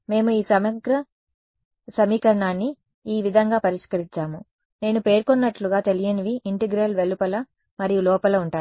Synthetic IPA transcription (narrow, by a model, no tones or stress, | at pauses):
me̞ːmuiːsɐmɐɡɾɐ | sɐmiːkɐɾɳaːnːi | iːʋid̪ʱɐŋɡaːpɐɾiʂkɐɾiɲt͡ʃaːmu | ne̞ːnupe̞ːɾkonːɐʈluɡaːt̪e̞lijɐniʋiʔiɳʈeɡɾɐlʋelupɐlɐ | mɐɾijulɔːpɐlɐuɳʈaː